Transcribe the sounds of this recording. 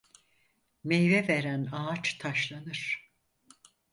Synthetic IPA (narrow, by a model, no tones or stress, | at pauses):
mejvɛveɾænaːt͡ʃt̪ʰaʃlˠanɯɾ̥